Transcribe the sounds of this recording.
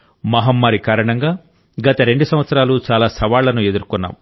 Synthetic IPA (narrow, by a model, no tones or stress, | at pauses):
mɐɦɐmːaːɾikaːɾɐɳɐŋɡaː | ɡɐt̪ɐɾe̞ɳɖusɐmʋɐt̪sɐɾaːlut͡ʃaːlaːsɐʋaːɭːɐnue̞d̪uɾkunːa̰ːm